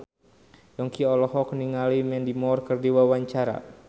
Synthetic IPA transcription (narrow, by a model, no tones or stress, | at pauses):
jɔŋkiɔlɔɦɔkniŋalimɛndimɔrkərdiwawaɲt͡ʃaɾa̰